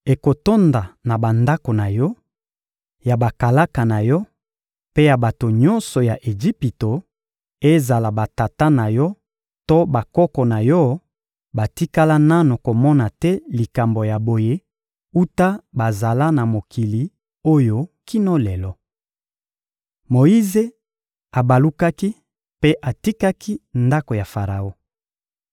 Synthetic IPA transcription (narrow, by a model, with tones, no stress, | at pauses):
e˨ko˨to˦nda˨na˨ba˨nda˦ko˨na˨jɔ˦ | ja˨ba˨ka˨la˦ka˨na˨jɔ˦ | pe˦ja˨ba˨to˨ɲɔ̃˦nsɔ˨ja˨ʔe˨d͡ʒi˦pi˨to˨ | e˦za˨la˨ba˨ta˨ta˦na˨jɔ˦ | to˦ba˨kɔ˦kɔ˨na˨jɔ˦ | ba˨ti˦ka˦la˦na˦no˨ko˨mɔ˦na˨tɛ˦li˨ka˨mbo˨ja˨bo˨je˦ | u˦ta˦ba˨za˨la˦na˨mo˨ki˨li˨ | o˦jo˦ki˦nɔ˦lɛ˨lɔ˦ | mo˨i˦ze˦ | a˨ba˨lu˦ka˦ki˦ | pe˦ʔa˨ti˦ka˦kʰi˦nda˦ko˨ja˨fa˨ʁa˨o˦